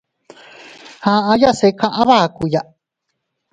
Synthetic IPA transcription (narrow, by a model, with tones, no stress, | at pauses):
hã˧˨ã˦ja˦se˧kʰã˦˧ʔã˦βa˦˨ku˨ja˨